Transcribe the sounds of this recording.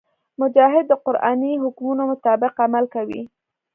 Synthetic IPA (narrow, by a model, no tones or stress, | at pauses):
mʊd͡ʒɑɦɪd̪̚ːəqʊɾʔɑ̰niɦʊkmunomʊt̪ɑbɪqamalkawḭ